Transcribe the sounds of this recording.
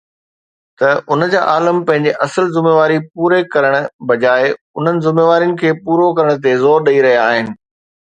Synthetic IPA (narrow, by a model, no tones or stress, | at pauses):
t̪ɐʔʊnəd͡ʑa̰ːʔaːləmpɐ̃ɦɪ̃ɲd͡ʑeʔɐsəlzɪmeːʋaːɾipuːɾekɐɾəɽ̃ʊ̆bɐd͡ʑaːɪ | ʊn̤ənɪ̆zɪmeːʋaːɾijʊnɪ̆kʰeːpuːɾokɐɾəɽ̃t̪̬ezɔːɾɗɐiɾɐɦijaaːɦɪnɪ̆